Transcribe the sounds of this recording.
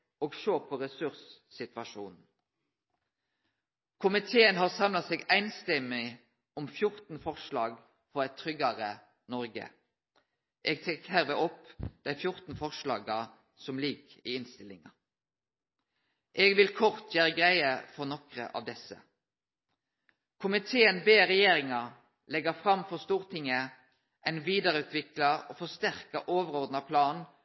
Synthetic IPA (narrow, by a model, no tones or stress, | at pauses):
oːɡʃøːʁpʰɔʁɛsʉʁs | sɪt̪ʋɑʃṵːnn̩ | kʰʊmɪt̪ʰeːənɦɑːʁsɑmlɑseːɡæɪnst̪ɛmɪ | ɔmfjʊʁt̪n̩fɔʁʃlɑːɡ | fɔʁɛɪt̪ʰːʁʏɡɑʁə | nɔʁɡə̰ | ʔɛːɡ̚t̪ʰɛkhæʁʋeːɔpːd̪̥æɪfjʊʁt̪n̩fɔʁʃlɑːɡɑ | sɔmliːkiːɪnst̪ɪlɪŋɑ | ʔeːɡʋɪlkʰɔʁt̪ʰjæːɾəɡʁæɪəfɔʁnɔkʁə̰ʔɑ̰ːʋd̪ɛsə̰ | kʰʊmɪt̪ʰeːənbeːɾɛjeːʁɪŋɑ | lɛɡəfʁɑmfɔst̪uːʁt̪ʰɪŋːə | ʔɛɪnʋiːd̪ɑʁəʉːt̪ʰʋɪklɑoːfɔʁst̪æʁkɑʔoːʋəʁɔʁd̪nɑpʰlɑːn